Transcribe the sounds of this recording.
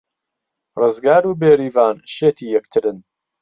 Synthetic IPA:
rɨzɡaːɾuːbeːɾiːvaːnʃeːt̪ʰiːjɛkt̪ʰɨɾɨn

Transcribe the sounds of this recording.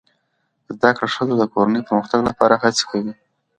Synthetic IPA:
zd̪akɽaʂəzod̪əkoɾanəjpəɾməxt̪aɡlapɑɾaɦat͡se̥kʰawi

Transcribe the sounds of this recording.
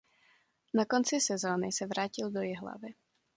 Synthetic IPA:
nako̞nt͡sɪsɛzoːnɪsɛvɾaːcɪldojɪɦla̰vɪ

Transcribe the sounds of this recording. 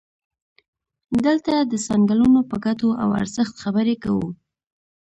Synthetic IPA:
d̪əlt̪ad̪əsɑŋɡalunopəɡat̪oʔa̰wa̰ɾzəxt̪xabəɾekawṵ

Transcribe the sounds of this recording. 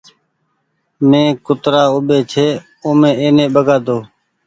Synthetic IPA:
mẽːkʊt̪ɾaːʊɓeːt͡ʃʰeː | oːmẽːeːnẽːɓəɡaːd̪oː

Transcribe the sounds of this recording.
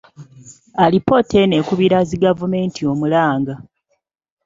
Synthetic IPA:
alipːo̞tʰe̞ne̞kuβiɾaziɡavume̞ːntʰio̞mulaːŋɡa

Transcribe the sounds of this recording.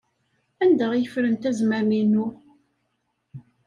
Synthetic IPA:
ænd̪æʁjəfɾənt̪æzmæminu

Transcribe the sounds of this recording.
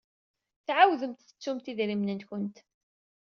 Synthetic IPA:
θʕawðəmt̪θə̥t͡sːumt̪iðɾimnənçənt̪

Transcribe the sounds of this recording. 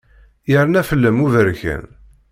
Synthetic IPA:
jəɾnæfəlːəmuvəɾçæ̰n

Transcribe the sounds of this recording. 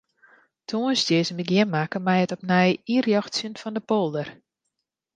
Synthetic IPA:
tʰuənsdjɪzəmbəɡjɪnmakəmɛjətɔp̚nɛjirjɔxsjənfɔndəpolˠdər

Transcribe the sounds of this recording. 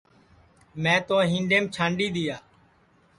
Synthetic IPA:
mɛ̃ːt̪oːɦĩːɳɖeːmt͡ʃʰãːɳɖiːɗ̪ɪjaː

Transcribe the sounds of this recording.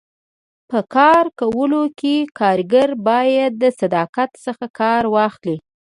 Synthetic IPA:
pəkɑɾkawəlokekɑɾɡaɾbɑjad̪ːəsad̪ɑqat̪səxakɑɾwɑxli

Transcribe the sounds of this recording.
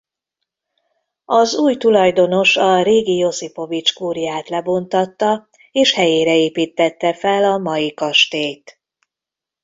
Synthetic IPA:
ɒzuːjt̪ulɒjd̪o̞no̞ʃɒɾeːɡijo̞sipo̞vit͡ʃkuːrjaːt̪lɛbo̞nt̪ɒt̪ːɒ | eːʃhɛjeːɾɛeːpiːt̪ːɛt̪ːɛfɛlɒmɒjikɒʃt̪eːjt̪

